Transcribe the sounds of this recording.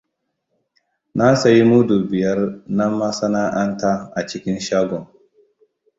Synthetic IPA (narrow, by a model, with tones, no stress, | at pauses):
na˦sa˨ji˦mu˦du˨bɪ˨jɐ˦rna˦mːa˦sa˦na˦ʔa˦nta˦ʔa˨t͡ʃɪ˦kʲɪ˦nʃaː˦ɡɔ˨m